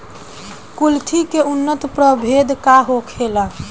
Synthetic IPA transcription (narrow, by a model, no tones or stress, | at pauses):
kult̪ʰikeunːət̪pɾəbʱed̪kaɦokʰela